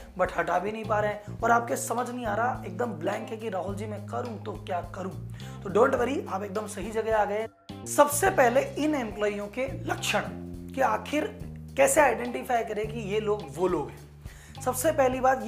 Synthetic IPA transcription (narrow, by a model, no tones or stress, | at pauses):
bɐʈʰaʈabʱinɐɦĩpaːɾeɛ̃ɔːɾaːp̚kesɐməd͡ʒʱnɐɦĩaːɾaaeːk̚d̪əmblɛ̃ːŋkɦɛ̃kiɾaːɦʊld͡ʒimẽkɐɾũt̪okjaːkɐɾũː | t̪oɖõːɳʈʋɐɾiaːpeːk̚d̪əmsɐɦid͡ʒɐɡeaːɡɐe | sɐbsepɛɦleɪnɪ̃mplɔːijõkelɐkʃəɽ̃kiaːxʰɪɾkɛːseaːɪɖɛ̃ːɳʈɪfaːɪkɐɾẽkijeloːɡʋoːloːɡɦɛ̃ː | sɐbsepɛɦlibaːt̪j